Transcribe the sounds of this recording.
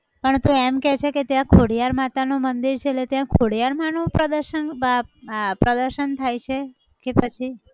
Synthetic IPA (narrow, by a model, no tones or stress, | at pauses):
pəɳt̪ũemkɛt͡ʃʰeket̪jãkʰoɽijaɾmat̪anomənd̪iɾt͡ʃʰeːlet̪jãkʰoɽijaɾmanopɾəd̪əɾʃənbapɾəd̪əɾʃənt̪ʰajt͡ʃʰe | kepət͡ʃʰi